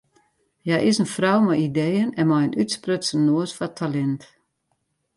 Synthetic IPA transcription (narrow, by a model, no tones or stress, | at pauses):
jajʔɪsənfrɔwmɔjidejənɛnmɔjənytsprøtsənːoəsfɔtʰːalɛnt